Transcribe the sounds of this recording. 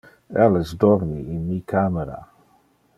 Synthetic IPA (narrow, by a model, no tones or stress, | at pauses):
ɛlesd̪ɔɾmiinmikʰameɾa̰